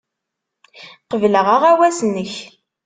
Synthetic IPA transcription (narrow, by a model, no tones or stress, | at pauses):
qəvləʁaʁæwæsnːəç